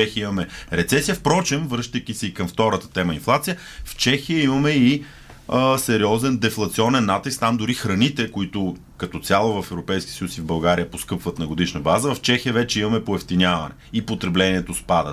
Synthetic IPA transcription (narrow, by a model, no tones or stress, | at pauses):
ɛximɐmɛɾɛt̪sɛsijəfpɾɔt͡ʃɛmvɾɤʃt̪əjk̟isɛikɐmft̪ɔɾət̪ə̥t̪ɛməinflˠat̪sijə | ft͡ʃɛxijəimɐmɛi | əsɛɾiɔzɛnd̪ɛflˠɐt̪siɔnɛnːat̪ist̪amd̪ʊɾixɾɐnit̪ɛkʊit̪ʊ | kɐt̪ɔt̪sʲalˠovɐfɛvɾopɛjsk̟ʲiəsəjusivbɐlˠɡaɾiəposkɤpvɐt̪nɐɡod̪iʃnəbazəvɐft͡ʃɛxijəvɛt͡ʃɛimɐmɛpoɛft̪inʲjavɐnɛ̰ipot̪ɾɛblɛnʲiɛt̪ospad̪ət̪